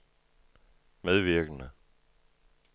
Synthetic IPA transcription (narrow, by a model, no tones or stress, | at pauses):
meðˠʋiɐɡ̥nə